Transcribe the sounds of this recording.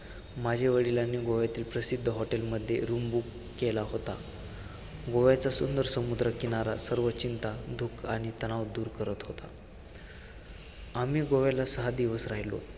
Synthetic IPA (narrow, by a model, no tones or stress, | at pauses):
mad͡ʑʱeʋəɽilanːiːɡoʋjat̪iːlpɾəsid̪ʱːəɦɔʈelməd̪ʱːjeɾumbukːelaɦot̪a | ɡoʋjat͡sasund̪əɾsəmud̪ɾəkinaɾa̰səɾʋət͡ɕint̪ad̪ʱuːkaɽ̃it̪əñaʋd̪uːɾkəɾət̪ɦot̪a̰ | amiːɡoʋjalasəɦad̪iʋəsɾajlo̰